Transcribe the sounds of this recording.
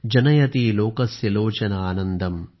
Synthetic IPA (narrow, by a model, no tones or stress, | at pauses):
d͡ʒɐnɐjɐt̪ilɔːkɐsjɐloːt͡ʃɐnɐaːnɐnd̪ɐm